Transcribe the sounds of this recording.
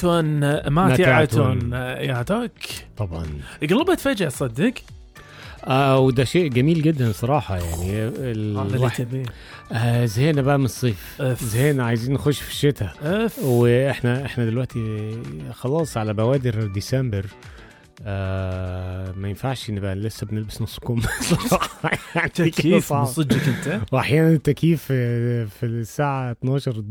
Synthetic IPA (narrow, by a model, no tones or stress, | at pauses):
toːnmamt̪ːʕat̪oːnjaʕt̪aːkt̪ˤɑbʕɑ̰nʔɡlɑːbat̪fæːd͡ʒɪhsˤɑd̪ːɪk | ʔæːwed̪æʃeːʔɡæmiːlɡɪd̪ːænsˤɑɾˤɑːħɑjaʕnielwħbiː | ʔæzheːnæbæʔæmɪnsˤːiːfzheːnæʕajziːnːexoʃːfi̥ʃːet̪æʔfweʔeħnæʔeħnæd̪elwæʔt̪i | xɑlɑːsˤʕalæbæwæːd̪ɪɾd̪isæmbeɾ | æ | mæjɪnfaʕʃʔɪnːbæʔlesːæbnelbɪsnɑsˤːkomːsˤɑˤɑħɑjaʕnkˤːid͡ʒikɪnt̪wʔaħjæːnænet̪ːækiːffisːaːʕat̪nɑːʃɑɾˤ